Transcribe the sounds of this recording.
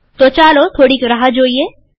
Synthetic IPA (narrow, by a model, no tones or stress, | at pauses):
t̪ot͡ʃaːlot̪ʰoːɽikɐɾɐɦad͡ʒoːie